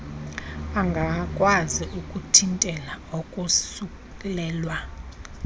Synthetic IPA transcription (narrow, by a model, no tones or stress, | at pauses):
aŋɡʱakʼwaziʔukʼutʰintʼɛlaokʼusuk | ɛlɛːlwa